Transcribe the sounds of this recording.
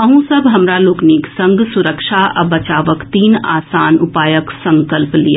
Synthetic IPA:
ɐɦũsɐbɦɐmɾaloːkniːksɐ̃ŋɡsʊɾəkʃaʔɐ̰bɐt͡ʃaːʋəkt̪iːnaːsaːnʊpaːjəksɐ̃ŋkəlplija

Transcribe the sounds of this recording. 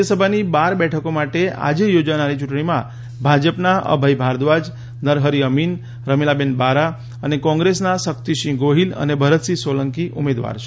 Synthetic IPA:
səbʱanibaɾbɛʈʰəkomaʈea̰d͡ʒejod͡ʒanaɾit͡ʃuʈɳ̃imã̰ | bʱad͡ʒəpnaə̰bʱəibʱaɾd̪ʋad͡ʒ | nəɾɦəɾiəmin | ɾəmelabenbaɾa | ənekɔ̃ŋɡɾesnasək̚t̪iʃĩɡoɦilə̰nebʱəɾət̪sisoləŋkiʔumed̪ʋa̰ɾt͡ʃʰe

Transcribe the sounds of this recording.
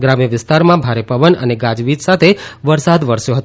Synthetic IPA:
ɡɾãmjəʋɪst̪aɾmãbʱaɾepəʋənə̰neɡad͡ʒʋid͡ʒ̪sat̪ʰeʋəɾsad̪ʋəɾsjoɦət̪

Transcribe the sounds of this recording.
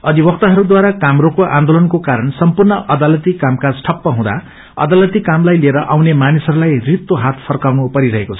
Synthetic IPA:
ʌd̪ibʌkt̪aɦʌɾud̪waɾakamɾokoʔãnd̪olʌnkokaɾʌnsʌmpurnʌʔʌd̪alʌt̪ikamkasʈʰʌpːʌɦũd̪a̰ | ʌ̰d̪alʌt̪ikamlajlieɾʌʔawnemanisʌɾulajrit̪ːoɦat̪̚ʰpʰʌrkawnupʌɾiɾʌɦekot͡sʰʌ̥

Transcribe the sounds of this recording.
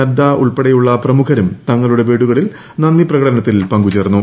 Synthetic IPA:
ɐd̪aːʔuɭpeɽɐjuɭːɐprɐmukʰɐɾumt̪ɐŋːɐɭuɽe̞beːɽuɣɐɭil | nɐnːiprɐɣɐɽɐnɐt̪ːilpɐŋɡut͡ɕeːrnːu

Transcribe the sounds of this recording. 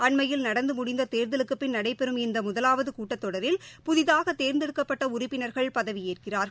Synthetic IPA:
ɐɳmɐjɪlnɐɽɐnd̪ɯmʊɽɪnd̪ɐt̪eːɾnd̪ɪlɯkːɯpːɪnnɐɽɐɪpːɛɾɯmɪnd̪ɐmʊðɐlaːʋɐðɯkuːʈːɐt̪ːɔɽɐɾɪlpʊðɪðaːɣɐt̪ːeːɾnd̪ɪɽɯkːɐpːɐʈːɐʊɾʊpːɪnɐɾɣɐɭpɐðɐʋɪjeːrkɪraːɾ

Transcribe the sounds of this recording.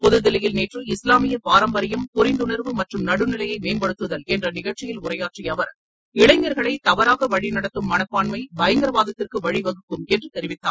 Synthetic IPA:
pɔðɯðɪlɐjɪlneːʈrɯɪslaːmɪjɐpaːɾɐmbɐɾɪjɐmkʊɾɪnd̪ʊnɐɾʋɯmɐʈrɯmnɐɽɯnɪlɐjɐɪmeːmbɐɽɯt̪ːɯðɐlɛndrɐnɪɣɐɭt͡ʃɪjɪlʊɾɐjaːʈrijɐʋɐɾ | ɪɭɐɪŋːɐɾɣɐɭɐɪt̪ɐʋɐɾaːɣɐʋɐɻinɐɽɐt̪ːɯmːɐnɐkːaːɳmɐɪbɐjɐŋɡɐɾɐʋaːðɐt̪ːɪrkɯʋɐɻiʋɐɣɯkːɯmɛndrɯt̪ɛɾɪʋɪt̪ːaː

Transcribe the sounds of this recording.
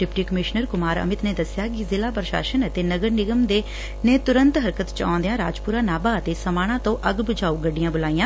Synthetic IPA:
ɖɪpʈiːkəmɪʃnəɾkʊmaːɾə̰mɪt̪neːd̪əsɪjaːkɪzɪlaːpəɾʃa̰ːʃənət̪eːnəɡəɾnɪɡəmd̪eː | neːt̪ʊɾə̃nt̪ɦəɾkət̪t͡ʃã̰ːnd̪ejãːɾaːd͡ʒpuːɾaːnaːbaːət̪eːsəmaːɽ̃ãːt̪õːʔəɡbəd͡ʒaːuːɡəɖːɪjãːbʊlaːijãː

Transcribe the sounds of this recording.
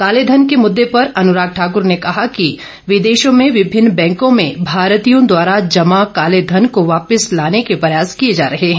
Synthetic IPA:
kaːled̪ʱənkemʊd̪ːepɐɾɐnʊɾaːk̚ʈʰaːk̬ʊɾnekɐɦaki | ʋɪd̪eːʃõmẽʋɪbʱɪnːbɛ̃ːŋkõmẽbʱaːɾt̪ijõd̪waːɾad͡ʒɐmakaːled̪ʱɐnkoʋaːpɪslaːnekepɾɐjaːskijed͡ʒaːɾɐɦeɦɛ̃

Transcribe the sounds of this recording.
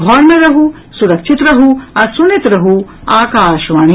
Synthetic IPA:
bʱɔɾnɐɾɐɦu | suɾɐkʃʰit̪ɾɐɦuɐɾsunit̪ɾɐɦu | aːkaːʃʋaːɳi

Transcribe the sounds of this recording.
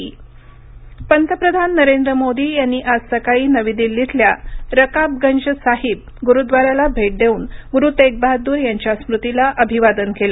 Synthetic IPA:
pənt̪əpɾəd̪ʱanːəɾend̪ɾəmod̪iːjanːiːʔad͡zsəkaɭiːnəʋid̪ilːit̪ʰljaɾəkab̚ɡənd͡ʑəsaɦib̚ɡuɾud̪ʋaɾjalabʱeʈ̚d̪ʱeuːnɡuɾuːt̪ek̚baɦd̪uːɾjaɲt͡ɕjasmɾut̪ilaʔəbʱiʋad̪ənkela

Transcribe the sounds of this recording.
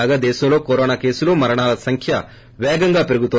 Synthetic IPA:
aːɡaːd̪eːʃɐmlo̞ːkoɾoːnaːke̞ːsuloːmɐɾɐɳaːlɐsɐŋkʰjɐ | ʋɛːɡɐŋɡaːpeɾuɡut̪o

